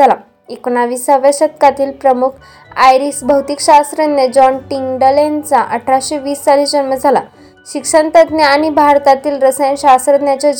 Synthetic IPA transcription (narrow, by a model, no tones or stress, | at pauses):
ala | ekonaʋisaʋəɕət̪̚kat̪iːlpɾəmukʰ | ajɾisbʱəwt̪ikɕast̪ɾəned͡ʑɔnʈiŋɡɖəlent͡saʔəʈʰːaɕiʋiːst͡salid͡ʑənməd͡zʱala̰ | ɕikʂənt̪ət̪neaɽ̃ibʱaɾt̪at̪iːlɾəsəjnɕast̪ɾət̪njat͡ɕɔ